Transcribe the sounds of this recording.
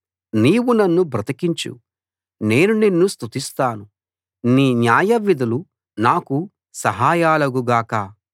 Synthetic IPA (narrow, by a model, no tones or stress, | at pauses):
niːwunɐnːubɾɐt̪ɐkiɲt͡ʃṵ | ne̞ːnuninːust̪ut̪ist̪aːnu | niːnjaːjɐʋid̪ʱɐlu | naːku | sɐɦaːjaːlɐɡuɡaːkaː